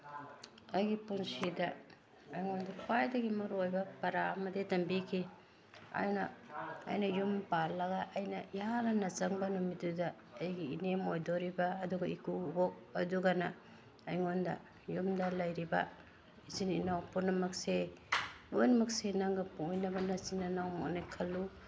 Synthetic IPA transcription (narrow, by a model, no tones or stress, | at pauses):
ɐjɡipunsidɐː | jŋondɐkʰwajdɐɡimɐɾojbɐpɐɾamɐdetɐmbikʰi | a̰jnɐ̰ːjnɐjumpalːɐɡaʔɐjnɐijalɐnɐt͡ʃɐŋbɐnumitudɐː | jɡiinemojdoɾibaːduɡɐikubok̚ɐduɡanaː | jŋondɐ̰ | jumdɐlɐjɾibɐ̰ | izininawpunɐmɐkse | lojnɐmɐk̚senaŋɡɐpuŋinɐbɐnɐsinːanawmo̰najkʰɐlːu